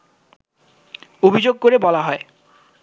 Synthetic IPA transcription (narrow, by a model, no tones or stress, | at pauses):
obʱid͡ʑoɡ̚koɾebɔlaɦɔe